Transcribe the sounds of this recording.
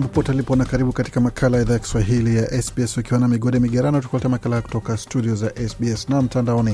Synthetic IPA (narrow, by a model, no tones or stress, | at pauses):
mbapɔtalipɔnakaɾiɓukati̥kamakʰalajaɛiðaːjaki̥swaɦilijaʔɛsbiɛsukiwanamiɠɔɗɛmiɠaɾaniutukɔlɛtɛmakalajaku̥tɔkastuɗiɔzaʔɛsbiɛsnam̩tandaɔni